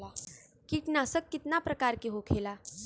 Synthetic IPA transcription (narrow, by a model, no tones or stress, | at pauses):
kiːʈnasəkːit̪napɾəkaɾkiɦokʰela